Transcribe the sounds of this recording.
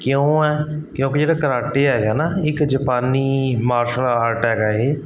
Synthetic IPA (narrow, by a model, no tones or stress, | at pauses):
kjõːɛːkjõːked͡ʒeːɽaːkəɾaːʈeːɦɛːɡaːnaːɪkd͡ʒəpaːniːmaːɾʃəlaːɾʈɦɛːɡaːɦeː